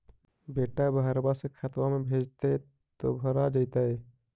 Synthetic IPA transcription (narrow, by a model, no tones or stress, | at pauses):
beːʈabaɦəɾbasekʰat̪wamẽbʱeːd͡ʒt̪e | t̪o̰bʱəɾad͡ʒaɪt̪aɦɛ